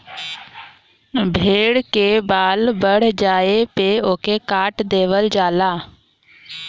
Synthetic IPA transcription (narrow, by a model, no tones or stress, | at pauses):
bʱeːɽkebaːlbəɽ̤d͡ʒaːepeoːkekaːʈd̪eːʋəld͡ʒaːlaː